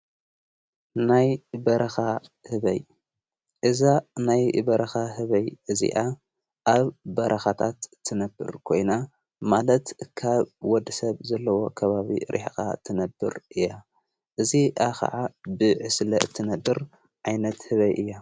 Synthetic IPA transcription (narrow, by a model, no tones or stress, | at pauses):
najbɐɾɐxahɨβɐ̰j | ʔɨzanajbɐɾɐxaɦɨβɐjʔɨzḭʔa | ʔaβːɐɾʔɐxat̪ʰat̪ʰːɨnɐbːɨ̰ɾkʰo̞̰jna | malɐt̪kʰaβwɔd̪ɨsɐβzɐlːɐwo̞kʰɐβaβḭɾʔḭħxa̰t̪ʰɨnɐbːɨ̰ɾʔɨjːa | ʔɨziʔaxɐ̰ʕabɨʕɨslɐʔɨt̪ʰːɨnɐbɨɾ | ʕajnɐt̪hɨβɐjʔɨjːa